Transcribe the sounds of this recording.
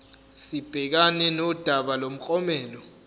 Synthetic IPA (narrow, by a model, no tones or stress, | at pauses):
sib̥ʱɛk̬anɛnɔd̥ʱaɓalom̩k͡xʼɔmɛːlɔ